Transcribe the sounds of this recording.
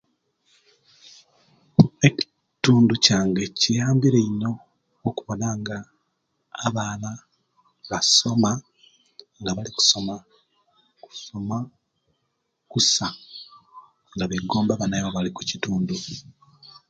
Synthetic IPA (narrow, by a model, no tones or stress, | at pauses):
e̞ci̥ | tuːnducaːŋɡe̞cijaːmbiɾeino̞ː | kuβo̞naŋɡaː | βaːna | βaso̞ma | ŋɡaβaliku̥so̞ma | ku̥so̞ma | kusa | ŋɡaβeɡoːmbaβanajoβaliku̥cituːndu